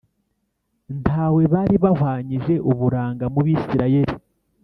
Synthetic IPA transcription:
ntʰaːwe̞βaɾiβahwaːɲiʒe̞ʔuβuɾaːŋɡamuβiːsiɾaje̞ɾi

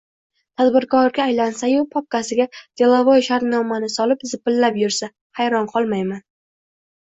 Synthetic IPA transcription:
t̪ʰad̪bɪɾkʰɒɾɡʲaːjlansajupʰɒp̚kasɪɡʲad̪̥ʲʰelˠavojʃaɾt̪nɒmanɪsɒlɪpzɪpɪlːapjʊɾsa | hajɾɒɴqʰɒlˠmajman

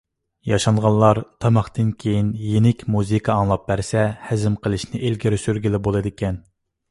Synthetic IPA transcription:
jɑʃɑŋʁɑnlːˠɑɾt̪ʰɑmɑχt̪ɨnkʲʰejinjenɪkʲmuzɨkʰɑːŋlˠɑp̚bæɾsɛhæzɪmqʰəlˠɨʃnɪʔelɡʲɪɾɪsyɾɡʲilɪbolˠɨd̪ɪkʲɛn

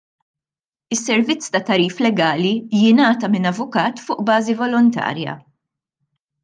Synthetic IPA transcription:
ɪsːɛɾvɪt͡sːt̪ɐt̪ɐɾiːflɛɡɐːlijɪnɐːt̪ɐmɪnɐvʊkɐːt̪fʊːʔbɐːzivɔlɔnt̪ɐ̰ːɾjɐ̰

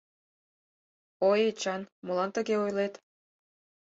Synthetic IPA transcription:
ojet͡ɕɑnmolɑnt̪ə̆ɣeojlet̪

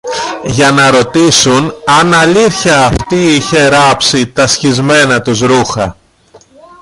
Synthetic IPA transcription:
ʝɐnɐɾo̞t̪isunɐnɐʎiθçɐːft̪iiçe̞ɾɐpsit̪ɐsçizme̞nɐt̪uzɾuxɐ

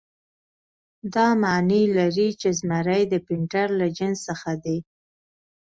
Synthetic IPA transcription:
d̪ɑmanilaɾit͡ʃezmaɾajd̪əpɪɳʈaɾlad͡ʒənsəxad̪e

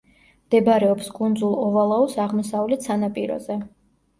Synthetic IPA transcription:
md̪̥ɛbɾɛɔpskʼund̪zulˠɔvalˠaɔsaʁmɔsavlɛt̪sʰanapʼiɾɔ̰zɛ

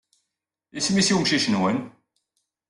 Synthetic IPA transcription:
jismisiwmʃiʃənwən

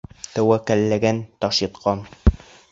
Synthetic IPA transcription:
t̪æwækælːæɡænt̪ɒʃjɤ̆t̪qʰɑn

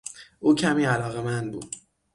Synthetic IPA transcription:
ʔuːcʰæmiːælɒːɣe̞mænd̪̚bṵːd̪̥̚

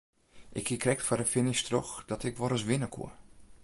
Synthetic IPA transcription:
ʔɪkhikʰrɛk̚tfadəfɪnɪʃtrɔxd̥ɔtɪkʋɔɾəsʋɪnəkʰṵə

